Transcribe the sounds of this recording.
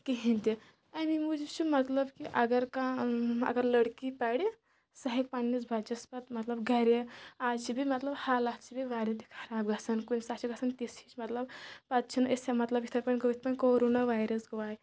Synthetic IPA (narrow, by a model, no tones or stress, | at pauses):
kiɦint̪i | ɐmimud͡ʒit͡ʃʰumɐt̪lɐbkiʔɐɡɐɾkãɐ̰ɡɐɾlɐɽkipaɽi | sɐɦik̚pɐnːit͡sbʱɐt͡ʃɐspɐt̪mɐt̪lɐbɡʱɐɾeaːt͡ʃʰibimɐt̪lɐbhalaːt̪t͡ʃʰibiʋaːɾɐt̪ikʰɐɾaːbɡɐsɐnkunsat͡ʃʰiɡɐsʰɐnt̪isit͡ʃmɐt̪lɐb̚pɐt̪t͡ʃʰinesemɐt̪lɐbi̥t̪ʰɐɾpɐnʲɡoʋit̪̚ʰpɐnkoːɾonaʋaːjɾɐsɡɐʋaj